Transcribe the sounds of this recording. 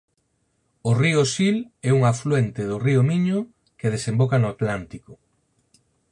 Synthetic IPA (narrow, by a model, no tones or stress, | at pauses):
ʊriʊsilɛuŋaflwent̪eðʊriʊmiɲʊ | keð̞esembokanʊat̪lant̪ikʊ